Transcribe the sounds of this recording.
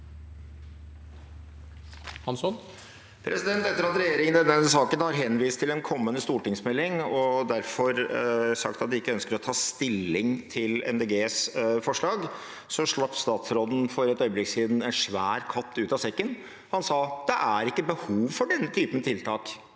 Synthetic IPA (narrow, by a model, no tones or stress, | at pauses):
hɑnsɔn | pʰɾɛsɪd̪ɛnt̪ɛt̪ːəɾɑt̪ɾɛjeːɾɪŋənd̪ɛnːɛs̬ɑːkənhɑɾɦɛnʋiːst̪ʰɪlɛnkʰɔmːənəst̪uːʈɪŋsmɛlːɪŋɔd̪æɾfɔɾsɑ̰kt̪ɑt̪̚d̪ɪɪkːəœnskəɾɔt̪ʰɑːst̪ɪlːɪŋt̪ʰɪlɛ̰nd̪eːɡeːsfɔʂɭɑːɡ | sɔʂɭɑpːst̪ɑːt̪sɾɔd̪n̩fɔɾɛt̪œʏblɪksiːd̪n̩ɛnʂʋæ̰ːɾkʰɑt̪ːʉːt̪ɑsɛkːən | hɑnsɑːd̪̥ɛʔæɾɪkːəbəhuːʋfɔɖɛnːət̪ʰyːpənt̪ʰɪlt̪ʰɑːk